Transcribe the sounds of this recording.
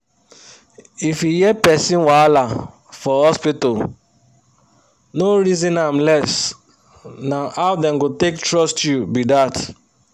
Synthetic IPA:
ifjujɛpɛsĩnwala | fɔhɔspitol | noɹizĩnãmlɛs | naaʊdɛ̃mɡotektɹɔstjubidat

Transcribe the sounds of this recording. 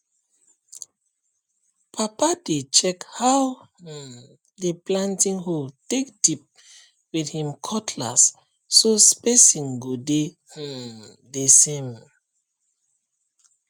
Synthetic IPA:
pʰapadet͡ʃɛkhawh̩ | deplãntĩŋholtek̚dip̚ | withĩmkʰɔtʰla̰sː | ospesĩŋɡode | hu | desẽm

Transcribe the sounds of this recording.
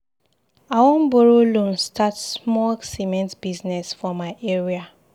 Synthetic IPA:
awɔ̃mboɹolũmstʰatsmɔsimɛ̃ntb̥iznɛsfɔmaɪʔeɹia

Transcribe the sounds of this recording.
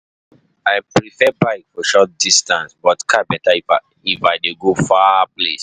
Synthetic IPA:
aɪpɹifɛbaɪkfɔʃɔt̚distãnsbɔtkʰabɛtai | ifaɪdeɡofaplḛs

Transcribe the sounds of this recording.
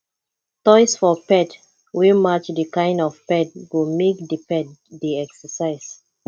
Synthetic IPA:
tɔɪsfɔpɛt | wimat͡ʃdəkãɪ̃ndɔv̥pɛt̚wumekdipɛt̚diɛksəsaɪs

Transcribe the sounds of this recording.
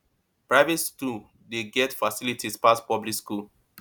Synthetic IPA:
pɹaɪvɛtskul | deɡɛtfasilitʰispastpɔblikskul

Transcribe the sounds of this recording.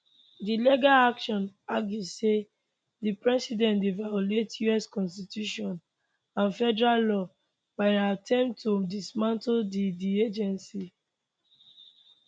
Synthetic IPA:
dileɡaakʃɔ̃naɡizse | dipɹɛsidɛ̃ndevajɔletjuɛskɔ̃nstitjuʃɔ̃n | ãnfɛdɛɹallɔ | baɪatʰɛ̃mtodismãntodidied͡ʒɛ̃nsi

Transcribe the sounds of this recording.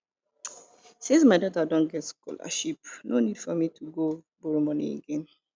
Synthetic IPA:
sĩnsmaɪdɔtadõnɡɛtskɔ̰la̰ʃipnonidfɔmitʰuɡo | boɾmɔnḭɡem

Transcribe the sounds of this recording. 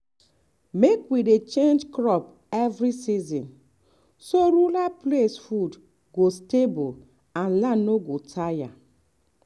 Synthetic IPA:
mekwidet͡ʃẽnd͡ʒkɹɔp | ɛvɹisizĩn | soɾulaplesfud | ɡostebol | ãnlãnnoɡotʰaja̰

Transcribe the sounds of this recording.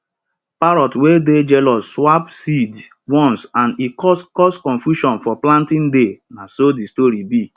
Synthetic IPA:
paɾɔtweded͡ʒɛlɔsswapsid | wɔ̃nsãnikɔskɔskɔ̃nfjuʃɔ̃nfɔplãntĩndenasodistoɾibi

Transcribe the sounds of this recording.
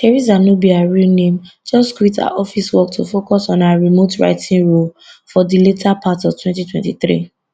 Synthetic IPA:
tɛɹizanobiaɹilnẽmd͡ʒɔskwita̰ʔɔfiswɔktʰufokɔsɔ̃naɹimotɹa̰ɪtʰĩnɹol | fɔdiletʰapʰatɔvtʰwɛ̃ntitʰwɛ̃ntiθɹḭ

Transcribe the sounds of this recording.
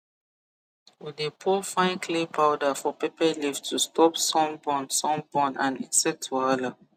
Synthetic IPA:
widepʰɔfãɪ̃nkʰlepaʊdafɔpepalivtʰustɔpsɔ̃mbɔ̃nsɔ̃mbɔ̃nãnḭ̃nsɛtʰːuala

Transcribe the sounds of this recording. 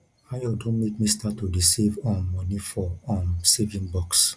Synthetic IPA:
ajɔdõnmekmĩstatuɹisivɔ̃mːɔnifɔɔ̃msevĩŋbɔks

